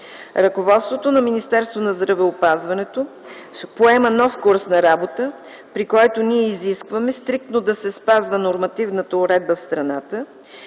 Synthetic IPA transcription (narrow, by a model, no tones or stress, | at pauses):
ɾɐkovɔt̪st̪vot̪onɐminist̪ɛɾst̪vonɐzd̪ɾɐvɛopazvɐnɛt̪o | poɛmənɔfkuɾsnɐɾabot̪ə | pɾikɔjt̪oniɛiziskvɐmɛst̪ɾik̚t̪nod̪ɐsɛspazvənoɾmɐt̪ivnət̪əʊɾɛd̪̚bəfst̪ɾɐnat̪ə